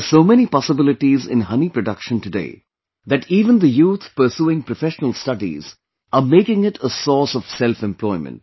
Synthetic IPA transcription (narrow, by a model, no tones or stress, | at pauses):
soːmɛnipɑsəbɪlɪʈizɪ̰̃nɦʌnipɾəɖʌkʃə̃ntɨɖḛː | d̪æʈiːʋə̃nd̪əjuːt̪ʰpəɾsuːɪ̃ŋpɾɔfɛʃənəlstʌɖḭz | ʔəmeːkɪ̃ŋɪʈʰəsɔːɾsɔʋ̥sɛlfɛ̃mplɔɪmə̰̃nʈ̚